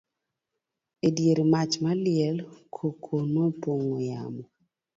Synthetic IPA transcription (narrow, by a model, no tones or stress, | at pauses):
edjeɾimat͡ʃmalɪɛlkʰokʰonopoŋoja̰mɔ